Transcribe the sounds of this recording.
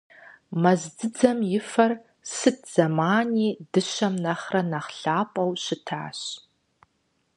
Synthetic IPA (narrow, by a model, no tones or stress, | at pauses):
mɐzdɨd͡zɐmjɪfɐr | sɨt̚ʰz̥ɐmaːniːdɨʃɐmnɐχrɐnɐχɬaːpʼɐwɕɪtʰa̰ːɕ